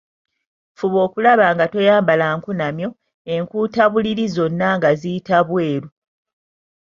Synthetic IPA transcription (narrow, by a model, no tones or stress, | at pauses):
fuβo̞ːkulaβaŋɡato̞jaːmbalaŋkunamjo̞ | e̞ŋkuːtaβuliɾizo̞nːaŋɡazijitaβwe̞ːɾu